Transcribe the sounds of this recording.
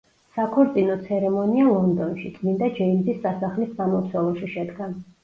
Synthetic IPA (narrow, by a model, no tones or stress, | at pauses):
sakʰɔɾt̪ʼinɔt̪sʰɛɾɛmɔnialˠɔnd̪ɔnʃit̪ʰmind̪ad͡ʒɛimzisːasaχlisːamɔt̪sʰɛlˠɔʃiʃɛd̪ɡa